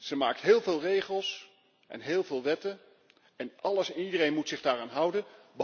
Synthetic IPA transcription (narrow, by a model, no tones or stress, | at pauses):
z̥əmaːk̚tɦɪːlˠvɪːlˠrejχəlˠs | ʔɛ̰nɦɪːlˠvɪːlˠʋɛtən | ɛnʔɑləsɛnidərejnmutsɪχdaːraːnɦʌwdən | b